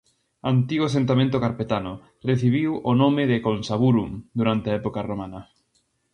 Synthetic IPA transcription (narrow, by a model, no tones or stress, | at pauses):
ant̪iɣoasẽnt̪amẽnt̪ʊkaɾpet̪anʊ | reθiβ̞iwonomɪðɪkonsaβuɾumd̪uɾant̪eɐɛpokaromanɐ